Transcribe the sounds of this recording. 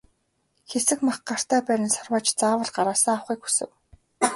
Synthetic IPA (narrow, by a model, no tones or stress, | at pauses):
xesɘ̆kmaχɢar̥t̪ʰæːpæːɾʲɪ̆nsʊrwaːt͡ɕt͡saːwə̆ɮɢaɾaːsaːawχiːkxu̥sɘ̆w